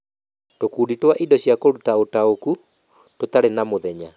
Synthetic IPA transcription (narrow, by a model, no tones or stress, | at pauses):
tokuːditwaʔidɔɕjakoɾutaotaoku | totaɾenamoðɛɲa̰